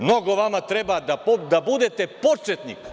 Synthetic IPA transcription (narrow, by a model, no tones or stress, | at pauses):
mnoɡovamat̪ɾɛbad̪apd̪abud̪ɛt̪ɛpot͡ʃɛt̪nḭk